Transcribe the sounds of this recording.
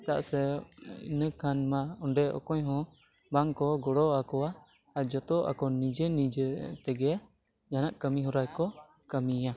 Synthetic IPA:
t̪aʔa̰sɛḭnəkʰanmaɔɳɖɛʔɔ̰kɔɲɦɔ̃ | baŋkɔɡɔɽɔakɔwa | ad͡ʒɔt̪ɔʔa̰kɔnid͡ʒɛnid͡ʒət̪ɛɡɛ | d͡ʒanaʔkəmiɦɔɾajkɔ | kəmija

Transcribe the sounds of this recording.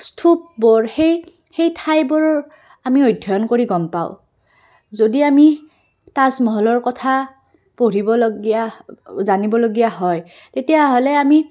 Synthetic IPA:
stʰup̚bɔɹxej | xejtʰajbɔɹɔ | amiojdʱːɔjɔnkoɹiɡɔmpa̰ʊ | zodiami | tazmɔɦɔlɔɹkɔtʰa | poɹibɔlɡiazanibɔloɡijaɦɔj | tetijaɦolɛami

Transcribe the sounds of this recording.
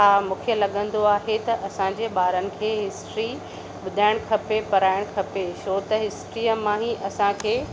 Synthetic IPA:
aːmũːkʰijəlɐɠə̃nd̪oaːɦet̪ɐʔɐsãɲd͡ʑeɓaːɾənɪ̆kʰeːɦɪsʈɾi | ɓʊd̪ʱaːɪɽ̃kʰɐpepɐɾaːɪɽ̃kʰɐpeʃoːt̪ɐɦɪsʈɾijəmãːɦiʔɐsãkʰeː

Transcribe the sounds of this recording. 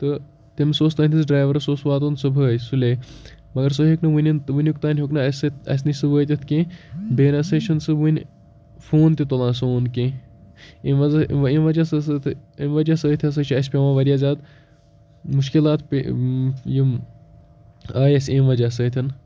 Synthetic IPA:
t̪ɨ | t̪ʲemʲsoːst̪ɐnʲt̪ʰʲis̬ɖɾaːʋɐɾɐsoːsʋaːt̪onsɨbʱəːtsulʲe | mɐɡɐɾs̬oɦiknɨʋɨnʲint̪ʋɨnʲjukt̪aːnʲɦoknɨɐst̪ɐ̰s̬ʲnisɨbəːt̪ʲɐt̪ʰkẽbeːnɐsɐt͡ʃʰɐnsɨʋunʲ | fʰoːnt̪ʲit̪olãːnsoːnkẽ | emʋɐzɐʋemʋɐd͡ʒasɐsɨt̪ʰɨemʋɐd͡ʒaːsəːt̪ʲʰɐs̬ɐt͡ʃʰiɐsʲpʲeʋaːʋɐɾʲjaːzʲaːd̪ | muʃkilaːt̪pʲejim | aːjɐsʲemʋɐd͡ʒaːsəːt̪ʰʲɐn

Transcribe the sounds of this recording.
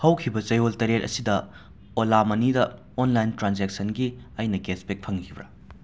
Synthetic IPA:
hɐwkʰibɐt͡ʃɐjoltɐɾetɐ̰sidɐ | olamɐnidɐ | onlajntɾanzek̚sɐnɡiɐjnɐkespek̚pʰɐŋkʰibɾɐ̰

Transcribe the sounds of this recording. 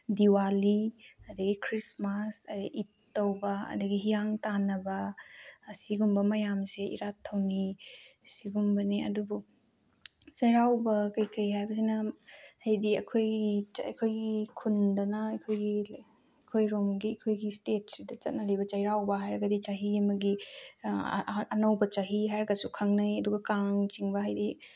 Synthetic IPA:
diwaliɐdɐɡikʰɾismɐsɐdiʔitːɐwbɐɐ̰dɐɡiɦijaŋtanɐbɐ | siɡumbɐmɐjamseʔḭɾatʰːɐwnisiɡumbɐniɐ̰dubu | t͡ʃɐjɾawbɐkɐjkɐjɦajbɐsinɐhɐjdiɐkʰojɐ̰kʰojɡikʰundɐnɐɐjkʰojɡi | ɐkʰojɾomɡiɐkʰojɡistet̚sidɐt͡ʃɐt̚nɐlibɐt͡ʃɐjɾawbɐɦajɾɐɡɐdit͡ʃaɦiɐmɐɡi | ɐnɐwbɐt͡ʃaɦiɦajɾɐɡɐsukʰaŋnajɐduɡɐkaŋt͡ʃiŋbɐɦɐjdi

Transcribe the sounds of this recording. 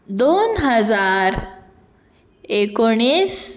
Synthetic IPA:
d̪onɦəd͡zaɾ | ekoɽ̃is

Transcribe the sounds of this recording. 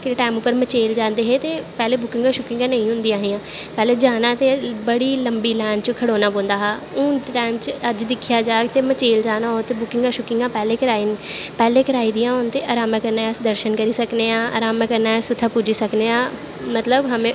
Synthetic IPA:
kɪʈaːɪmʊpːəɾmət͡ʃeːld͡ʒãːnd̪eːɦeːt̪eːpɛːleːbʊkɪ̃ŋɡaːʃʊkɪ̃ŋɡãːnə̃ĩɦʊ̃nd̪iːãːɦijãːpɛːleːd͡ʒaːnãːt̪eːbəɽiːləmbiːlɛːnt͡ʃkʰəɽoːnaːboːnd̪aːɦaːʊ̃ːʈaːɪmt͡ʃəəd͡ʒd̪ɪkʰːjaːd͡ʒaːɡt̪eːmət͡ʃeːld͡ʒaːnaːɦoːt̪eːbʊkɪ̃ŋɡãːʃʊkɪ̃ŋɡãːpɛːleːkəɾaːiːnpɛːleːkəɾaːiːd̪ɪjãːont̪eːʔaːɾaːmãːkəɾnaːɛsd̪əɾʃənkəɾiːsəkneːãːa̰ːɾaːmãkəɾnaːɛsʊt̪ʰːaːpud͡ʒiːsəkneːãː | mət̪ləbɦəmẽː

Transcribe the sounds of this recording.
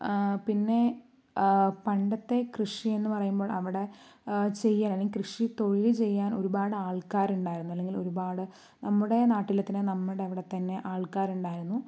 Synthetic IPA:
pinːe̞ | pɐɳɖɐt̪ːe̞krɨʂie̞nːɨpɐrɐjumboːɭʔɐʋiɽe̞t͡ɕe̞jːaːlɐleikrɨʂit̪o̞ɻilt͡ɕe̞jːaːno̞̰ɾubaːɽɨaːɭkaːɾuɳɖaːjiɾunːuɐlːe̞ŋɡilo̞ɾubaːɽɨ | nɐmːuɽe̞naːʈːilɐt̪ːinenɐmːuɽe̞ɐʋiɽe̞t̪ːɐnːe̞ʔaːɭkaːɾuɳɖaːjiɾunːu

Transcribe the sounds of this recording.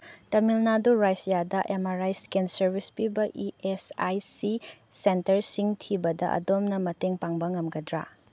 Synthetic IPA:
tɐmilnaduɾajsjadɐʔemaɾajskensɐɾbʱispibɐʔiesajsi | sentɐɾsiŋtʰibɐdɐʔɐ̰domnɐmɐteŋpaŋbɐŋɐmɡɐdɾa̰

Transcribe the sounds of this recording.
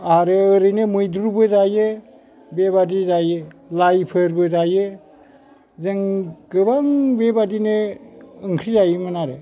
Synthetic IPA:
aɾɯːɾɯnemɯjduɾubɯzaje | bebadizajɯlajpʰɯɾbɯzajɯ | zeŋɡɯbaŋbebadineɯŋkʰɾizajɯmɯnaɾe

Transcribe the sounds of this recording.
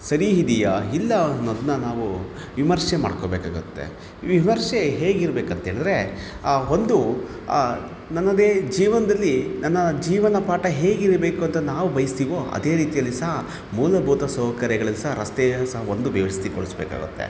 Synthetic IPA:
sɐɾiɦid̪ijɐilːɐnːod̪unɐnaːʋu | ʋimɐɾʂema̰ːɽkoːbeːka̰ːɡut̪ːḛ | ʋimɐɾʂeɦe̞ːɡiɾbe̞ːkɐnt̪ɐɦeːɭid̪ɾe̞ | o̞nd̪u | nɐnːɐd̪e̞ːd͡ʒiːʋɐnɐd̪ɐlːinɐnːɐd͡ʒiːʋɐnɐpaːʈɐɦe̞ːɡiɾbe̞ːkuɐnt̪ɐnaːʋubɐjist̪iːʋo̞ːɐ̰d̪e̞ːɾiːt̪ijɐlːisɐɦɐ | muːlɐbʱuːt̪ɐsɔːɦkɐɾjɐɡɐɭɐlːisɐɦɐɾɐst̪esɐɦɐond̪uʋɐʋɐst̪iko̰ɭisbɛːka̰ːɡṵt̪ːe̞̰

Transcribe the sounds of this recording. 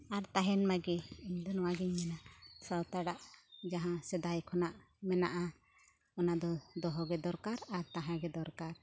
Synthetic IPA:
aɾt̪aɦɛnmaɡɛiɲd̪ɔnɔwaɡɛɲmɛnasawt̪aɽaʔd͡ʒaɦãsɛd̪ajkʰɔnaʔ | mɛna̰ʔa | ɔnad̪ɔd̪ɔɦɔɡɛd̪ɔɾkaɾaɾt̪aɦãɡɛd̪ɔɾkaɾ

